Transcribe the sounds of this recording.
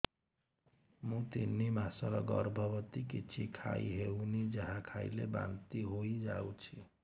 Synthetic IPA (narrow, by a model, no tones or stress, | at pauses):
mũt̪inːimasəɾɔɡʌ̰ɾbʱəbət̪ikit͡ʃʰikʰa̰iɦeunid͡ʒəɦãkʰailḛba̰nt̪iɦoid͡ʒa̰ut͡ʃʰi